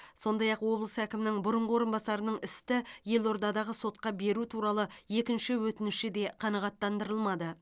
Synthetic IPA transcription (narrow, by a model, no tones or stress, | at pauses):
so̞nd̪ɑjɑqwo̞blˠəsəækʲɪmɪnɪŋbʊɾəɴʁəwoɾənbɑsɑɾənəɴɪst̪ɪje̞lˠo̞ɾd̪ɑd̪ɑʁəso̞t̪̚qɑbe̞ɾut̪ʰuɾɑlˠəje̞kʲɪnʃɪwɵt̪ɪnɪʃɪd̪e̞qʰɑnɑʁɑt̪ːɑnd̪əɾəlˠmɑd̪ə